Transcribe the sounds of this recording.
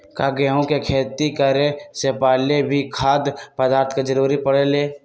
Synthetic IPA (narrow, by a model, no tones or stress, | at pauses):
kaɡeːɦõkekʰeːt̪ikəɾesepaːlebʱikʰaːd̪pəd̪aːɾt̪ʰked͡ʒəɾuːɾipəɽeleː